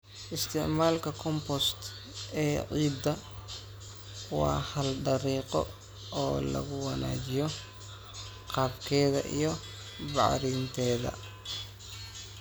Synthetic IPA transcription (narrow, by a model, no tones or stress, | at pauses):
ʔɪst̪ʰɪʕmaːlkʰɐkʰɔmpɔst̪ | ɛːʕiːd̪ɐ | wɑ̰ːhɐlɖɐɾiːqɔ̰ | ɔːlɐ̰ɣʊwɑna̰ːt͡ʃɪjɔ | qɑːbkʰɛːðɐ̰ʔḭjɔ | bɑ̰ʕɾiːnt̪ʰɛːðɐ̰